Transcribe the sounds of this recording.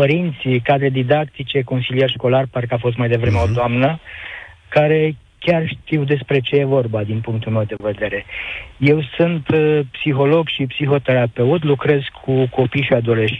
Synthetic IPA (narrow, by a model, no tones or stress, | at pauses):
pəɾint̪sikad̪ɾed̪id̪akt̪it͡ʃe̞ko̞nsilije̞rʃko̞larpaɾkəafo̞st̪majd̪e̞vɾe̞meod̪oamnə | kaɾe̞ | kʲarʃt̪iwd̪e̞spɾe̞t͡ʃe̞je̞vo̞rbad̪inpuŋk̚t̪ulme̞wd̪e̞ve̞d̪e̞ɾe̞je̞wsunt̪psixo̞lo̞ɡʃipsixo̞t̪e̞ɾape̞ut̪lukɾe̞zkʰukʰo̞pijʃiad̪o̞le̞ʃ